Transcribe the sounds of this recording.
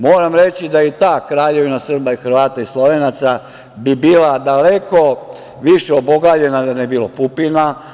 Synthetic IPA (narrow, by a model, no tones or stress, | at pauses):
mo̞ːɾamɾe̞t͡ɕid̪ajit̪aːkɾaːʎe̞ʋinasr̩baixr̩ʋaːt̪aislˠo̞ʋenat̪sa | bibiːlad̪aleko̞ | ʋiʃeoboɡad͡ʑe̞nad̪anebilopupina